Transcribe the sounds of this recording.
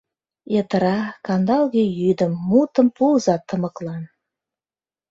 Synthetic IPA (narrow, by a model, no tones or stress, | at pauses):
et̪əɾɑkɑnd̪ɑlˠɣʲejyd̪ə̆mːut̪ə̆mpuzɑt̪ʰːə̆mɤ̆klˠɑn